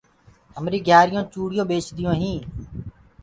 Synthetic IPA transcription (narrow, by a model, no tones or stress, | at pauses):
əmɾiːɡʱjaːɾɪjõːt͡ʃuːɽɪjõːɓeːt͡ʃd̪ɪjõːɦĩː